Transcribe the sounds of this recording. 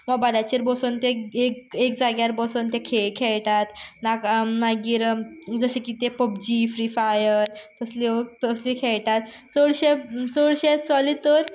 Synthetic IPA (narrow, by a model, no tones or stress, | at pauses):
məɡbaɾat͡ɕiɾbɔsont̪eekek̚d͡zaɡjaɾbɔsont̪ekʰeɭkʰeɭʈ̪at̪naknaɡiːɾd͡zəɕekit̪epəpd͡ʑifɾifajəɾt̪əsliət̪əslikʰeɭʈ̪at̪ | t͡səɽɕet͡səɽɕet͡sɔlit̪əɾ